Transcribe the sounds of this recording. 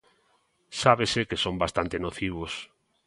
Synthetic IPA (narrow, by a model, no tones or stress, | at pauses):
saβesekesombast̪ant̪enoθiβ̞ʊs